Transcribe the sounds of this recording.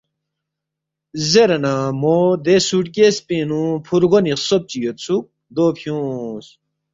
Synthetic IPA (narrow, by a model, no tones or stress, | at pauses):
zeɾɐnamod̪esuʈkespĩnũpʰuɾɡoniχsop̚t͡ɕijot̪sʰuk̚ | d̪oːpʰjũːs